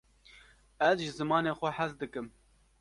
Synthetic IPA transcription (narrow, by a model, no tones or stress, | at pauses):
ɛzʒɨzɨmɑːneːxʷɛħazd̪ɨkɨm